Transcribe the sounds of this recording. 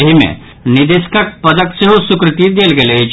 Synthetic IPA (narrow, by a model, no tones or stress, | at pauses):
ɦimḛ̃ | nɪd̪ɪskək̚pɐd̪əkseɦosʊkɾɪt̪id̪eːlɡeled͡ʒ